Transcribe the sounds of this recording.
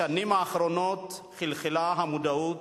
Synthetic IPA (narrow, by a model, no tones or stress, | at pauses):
animaːχɾonot̪ | χilχilaɦamud̪au